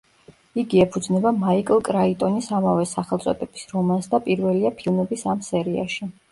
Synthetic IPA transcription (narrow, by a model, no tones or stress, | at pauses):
iɡiɛpʰud̪znɛbamaikʼlˠkʼɾait̪ʼɔnisamavɛsaχɛlt̪sʼɔ̰t̪ʼɛb̥i̥sɾɔmansd̪apʼiɾvɛliapʰilˠmɛbisamsɛɾia̰ʃi